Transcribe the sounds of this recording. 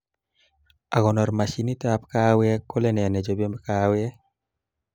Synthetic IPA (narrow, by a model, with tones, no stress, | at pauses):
a˨ɡɔ˨nɔ˨ɾma˨ʃi˦ni˦ta˦pka˦wjɛ˦kːo˦lɛ˦nɛ˨nɛ˨d͡ʒo˨be˦mkawjɛ˦